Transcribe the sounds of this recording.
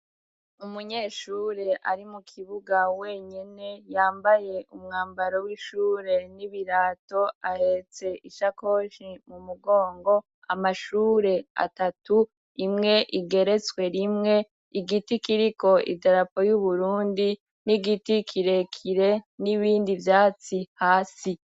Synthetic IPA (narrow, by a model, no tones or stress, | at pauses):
umuɲe̞ːʃuːɾe̞ʔaɾimukʰiβuɡawe̞ːɲene̞jaːmbaje̞umŋaːmbaɾowiʃuːɾe̞niβiɾaːto̞ahet͡se̞ʔiʃako̞ʃimumuɡo̞ːŋɡo̞ | a̰maʃuːɾe̞a̰tatu | imŋe̞ʔiɡe̞ɾe̞t͡swe̞ɾimŋe̞ | iɡitikiɾiko̞ʔḭdaɾapo̞juβuɾuːndi | niɡitikʰiɾe̞kʰiɾe̞niβiːndivjaːt͡sihaːsi